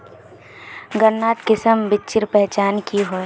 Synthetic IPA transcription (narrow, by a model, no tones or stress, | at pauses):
ɡənːaːt̪kɪsəmbɪt͡ʃɪɾpɛɦt͡ʃaːnkiɦo